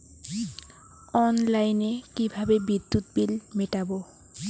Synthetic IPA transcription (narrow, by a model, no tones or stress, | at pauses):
ɔnlajnekibʱabebid̪ːut̪bilmeʈabo